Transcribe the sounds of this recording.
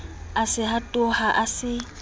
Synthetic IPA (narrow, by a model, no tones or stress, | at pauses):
asɪhatʼʊhaʔasɪ